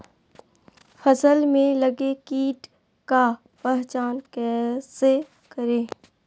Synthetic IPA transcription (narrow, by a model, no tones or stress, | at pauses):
fəsəlmẽləɡekiːʈ | ka | pɛɦt͡ʃaːnkɛːse | kəɾẽː